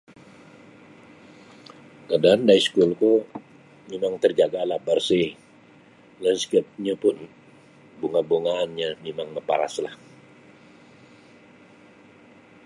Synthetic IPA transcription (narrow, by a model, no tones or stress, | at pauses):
kadaːndaiskulko | memaŋt̪ərd͡ʒaɡalahbarsih | lənskəp̚ɲapʊn | boŋaboŋaːnɲamemaŋməpa̰ɾa̰slah